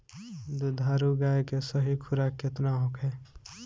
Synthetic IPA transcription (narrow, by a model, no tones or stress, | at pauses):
d̪ud̪ʱaːɾuɡaːekesəɦikʰʊɾakːet̪naɦokɦɛː